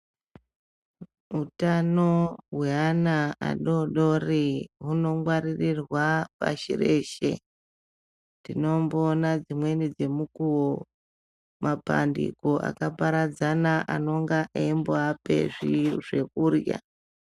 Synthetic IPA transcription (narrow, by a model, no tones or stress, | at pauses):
utanoɦweanaa̰ɗo̞ɗoriɦuno̞ŋwaɾirirwapa̰ʃḭreʃe̞̰ | ndino̞mbonad͡zimwe̞nid͡ze̞mukuwo | mapa̰ndḭkoʔa̰kapaɾad͡zanaʔano̞ŋɡaʔeimboape̞̰ʐiʐe̞kurja̰